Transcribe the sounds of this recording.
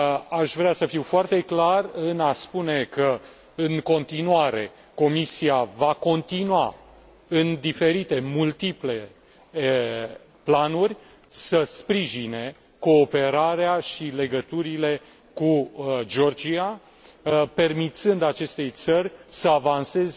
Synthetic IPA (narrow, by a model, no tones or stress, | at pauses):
aʃvɾeasəfiwfoart̪e̞klarɨnaspune̞kə | ɨŋko̞nt̪inuaɾe̞ | ko̞misiavako̞nt̪inuwa̰ | ɨnd̪ife̞ɾit̪e̞mult̪iple̞ | planurʲ | səspɾiʒine̞ | ko̞ːpe̞ɾaɾeaʃile̞ɡət̪uɾile̞ | kud͡ʒo̞rd͡ʒia | pe̞rmit̪sɨnd̪at͡ʃe̞st̪e̞jt̪sərʲsəavanse̞z